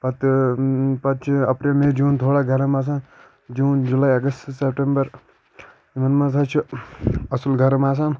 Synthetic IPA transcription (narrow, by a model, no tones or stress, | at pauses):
pɐt̪ | pɐt̪̚t͡ʃʰiɐpɾelmed͡ʒuːnt̪ʰoːɽaɡʱɐɾɐmas̬ã | d͡ʒuːnd͡ʒulaːiɐɡəst̪sepʈembɐɾ | imɐnmãsʰat͡ʃʰiɐsulɡʱɐɾmaːsãn